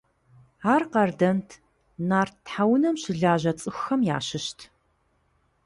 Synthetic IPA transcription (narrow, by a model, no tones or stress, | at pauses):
aːrqɐrdɐntʰ | naːrtħawnɐmɕɪɮaːʑɐt͡sʼɨxʷxɐmja̰ːɕɪʃtʰ